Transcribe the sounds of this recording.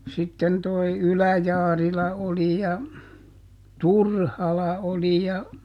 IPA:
sitːen toi ylæjɑːrilɑ oli jɑ turhɑlɑ oli jɑ

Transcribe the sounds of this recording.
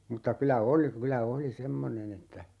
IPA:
mŭtːɑ kylæ oli kylæ oli semːonen etːæ

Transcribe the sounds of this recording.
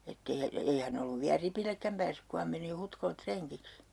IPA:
etː ei jɑ ei hæn olːuʋ ʋiæ ripilːekːæm pæːsːyk ku hɑm meni hutkolet treŋkiks

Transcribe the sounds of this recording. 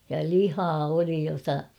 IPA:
jɑ lihɑː oli jotɑ

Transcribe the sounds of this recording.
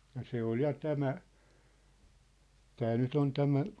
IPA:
jɑ se ol jɑ tæmæ tæ nyt on tæmæ

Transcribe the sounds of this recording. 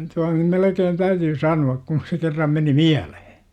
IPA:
tuɑn nym melekeːn tæytyː sɑnuɑk kun̞ se kerːɑm meni miælehe̥

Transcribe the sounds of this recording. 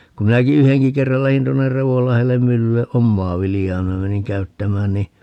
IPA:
ku minæki yheŋki kerːɑl læhin tuonːer reʋolːɑhelːem mylːylːe ʔomːɑː ʋiljɑː minæ meniŋ kæytːæmæːn ni

